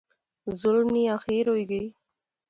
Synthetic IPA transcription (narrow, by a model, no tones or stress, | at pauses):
zʊlmniaxeɾojɡəj